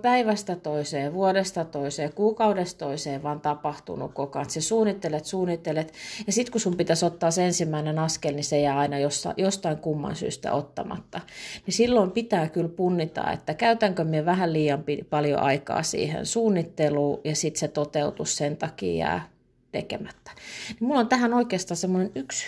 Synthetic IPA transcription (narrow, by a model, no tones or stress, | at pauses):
pæiʋæst̪æt̪oiseːʋuodest̪ɑt̪oiseːkuːkɑudest̪oiseːʋɑːnt̪ɑpɑht̪ṵnṵkokɑnt̪sesuːnːˑit̪ːelet̪suːnːˑit̪ːelet̪jɑsit̪kusumpit̪æsot̪ːɑːsensimːæinenɑskelnisejæːɑinɑjosːɑ̰jost̪ɑiŋkumːɑ̰nsy̰ːst̪æ̰ot̪ːɑ̰mɑ̰t̪ːɑnisilːoimpit̪æːkylpunːit̪ɑ̰ːḛt̪ːækæyt̪æŋkømieʋæhælliːjɑmpḭpɑljo̰ʔɑikɑ̰ːsḭːhḛnsuːnːit̪ːeluːjɑsit̪set̪ot̪eut̪ussent̪ɑkḭːjæ̰ː | t̪ḛkḛmæt̪ːæ̥nimulːont̪æhænoikeːst̪ɑːsemːonenyks